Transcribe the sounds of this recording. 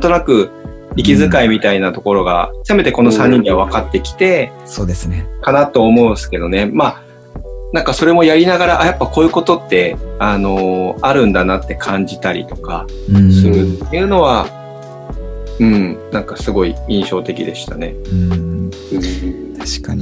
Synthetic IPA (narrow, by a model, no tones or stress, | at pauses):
at̪o̞nakɯ̟ | ikʲizɨkaimʲit̪ainat̪o̞ko̞ɾo̞ɡa̰seme̞t̪eko̞no̞sãɲ̟ːĩɲʲːiβaβ̞akat̪ːe̞kʲi̥t̪e̞ | soːd̪esɨnekanat̪o̞ːmo̞ɯ̃sɨ̥ke̞d̪o̞ne̞ma | nãŋkaso̞ɾe̞mo̞jaɾʲinaɡaɾaʔajapːako̞ːjɯ̟ko̞t̪o̞t̪ːe̞ano̞aɾɯ̟̃nd̪anat̪ːe̞kʰãɲ̟d͡ʑit̪aɾʲḭt̪o̞̥ka̰sɨɾɯ̟t̪ːe̞jɯ̟ːno̞β̞a | ɯ̟̃ɴnãŋkasɨɡo̞iĩɕo̞ːt̪e̞kʲid̪e̞ɕi̥t̪ane̞̰ɯ | ɯ | t̪ḁɕkaɲ